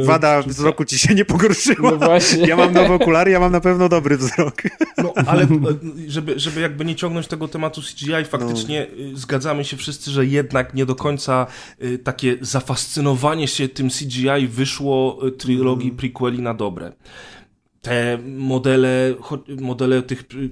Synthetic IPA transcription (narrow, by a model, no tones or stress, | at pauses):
vad̪avzɾɔkut͡ɕiɕɛɲɛpɔɡɔɾʂɘwavwaɕɛjamamnɔvɛɔkulaɾjamamnapɛvnɔd̪ɔbɾɘvzɾɔknɔʔalɛʐɛbɘʐɛbɘjaɡ̚bɘɲɛt͡ɕɔ̃ŋɡnɔɲt͡ɕt̪ɛɡɔt̪ɛmat̪usʲi̥d͡ʑiajfakt̪t͡ʂtɲɛzɡad̪zamɘɕɛfʂɘst̪sɘʐɛjɛd̪nakɲɛd̪ɔkɔɲt̪sa | t̪akʲɛzafast̪sɘnɔvaɲɛɕɛt̪ɘmsʲid͡ʑiajvɘʂwɔt̪ɾɘlɔɡʲjipɾikwɛlʲinad̪ɔbɾɛ̰ | t̪ɛmɔd̪ɛlɛxɔmɔd̪ɛlɛt̪ɘx